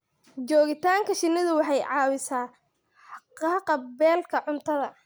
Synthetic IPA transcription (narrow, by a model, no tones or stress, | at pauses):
t͡ʃɔːɣɪt̪ʰaːŋkʰɐʃɪnːɪðʊwɑħɑjʕɑːwɪsaː | ħħɑqɑːqɐbɛːlkʰɐʕʊnt̪ʰɐðɐ